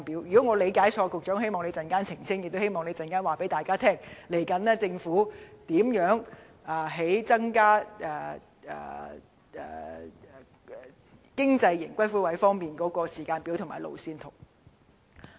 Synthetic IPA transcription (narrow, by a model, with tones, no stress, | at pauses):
pi˨˥wjy˨˩kɔ˨˥ŋɔː˨˧le˨˧jkaː˨˥jt͡ʃʰɔː˧kʊ˨k̚t͡ʃɔː˨˥ŋɦe˥jmɔː˨ŋne˨˧jt͡sɐ˨nkaː˥nt͡sʰɪ˨˩ŋt͡sʰɪ˥ŋjɪ˨k̚t̪o˥he˥jmɔː˨ŋne˨˧jt͡sɐ˨nkaː˥nwaː˨pe˨˥jt̪aː˨jkaː˥t̪ʰɛː˥ŋle˨˩jkɐ˨˥nlɛ˥t͡sɪ˧ŋfuː˨˥t̪iː˨˥mjœː˨˥ŋ | aː˨ɦe˨˥jt͡sɐ˥ŋkaː˥ʔɛː˨ | ɛ̰ː˨ | ɛ̰ː˨ | kɪ˥ŋt͡sɐ˧jːɪ˨˩ŋkʷwɐ˥jfuː˥wɐ˨˧˥jfɔː˥ŋmiː˨nkɔː˨˥kɔː˧siː˨˩kaː˧npiː˨˥wt̪ʰʊ˨˩ŋmaː˨˩jlo̰˨˩wsiː˧nt̪ʰʊ˨˩w̚